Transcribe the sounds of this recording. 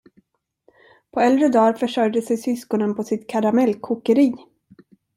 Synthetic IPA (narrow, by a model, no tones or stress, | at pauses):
pʰɔɛld̪ɾəd̪ɑːɾfœʂœɾjd̪əsɛjsʏskɔnənpʰɔsɪt̪kʰaɾamɛlkʰːʊkəɾiː